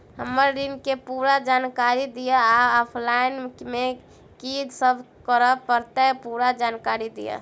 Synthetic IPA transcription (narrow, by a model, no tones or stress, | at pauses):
ɦəməɾɾinkepuːɾad͡ʒaːnkaɾid̪ijaaɔpʰlaɪnme | kid͡ʒsəbʱ | kəɾəpəɾt̪apuɾad͡ʒaːnkaɾid̪ḭja̰